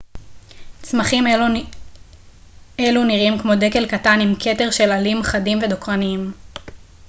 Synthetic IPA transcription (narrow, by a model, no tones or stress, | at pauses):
t͡smaχim | eluniʁimkmo̞de̞ke̞lkatanimkʰe̞te̞ʁʃe̞lalimχadimve̞do̞kʁaniim